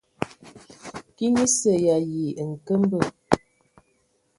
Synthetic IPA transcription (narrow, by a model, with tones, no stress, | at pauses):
ki˦ni˦sə˨ja˨ji˨ŋ̩˨kə˦m˦bə˦˨